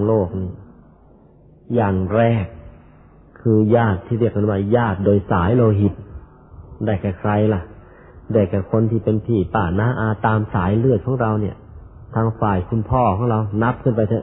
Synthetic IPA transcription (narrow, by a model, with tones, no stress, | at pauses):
ŋloː˥˩k̚ni˧˨˩ | jaː˨˩ŋɾɛː˧˩kʰː | ɯː˧jaː˥˩t̪ʰːiː˧˩ɾi˥˩ək̚ːa˧˥˩nwaː˧˩jaː˥˩t̪̚doː˧jsaː˩˦jloː˧ɦi˨˩t̪̚ | daː˧˩kɛː˧˩kʰɾa˧jla˧˩ʔ | dɛː˧˩kɛː˧˩kʰo˧nt̪ʰiː˥˩pe˧npʰiː˨˩paː˧˩naː˧˥˧ʔaː˧t̪aː˧msaː˩˦jlɯ˥˩ət̪̚kʰɔː˨˦ŋɾa˧wni˧˩ə | t̪ʰaː˧ŋfaː˨˩jkʰu˧npʰɔː˥˩kʰɔː˨˦ŋɾa˧wna˦˥p̚kʰɯ˥˩np̬a˧jt̪sʰa˧˩